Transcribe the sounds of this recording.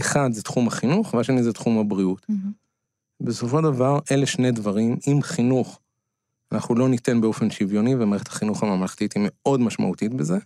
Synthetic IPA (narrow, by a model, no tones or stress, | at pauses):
eχad̪zet̪χumhaχinuχvaʃenizet̪χumhabʁiut | beso̞fo̞ʃd̪avaʁe̞leʃne̞dvaʁimimχinuχ | anaχnulo̞nite̞nbeo̞fe̞nʃivjo̞nivemaʁeχetʰḁχinuχamamlaχt̪ithime̞o̞dmaʃma̰ut̪itbeze̞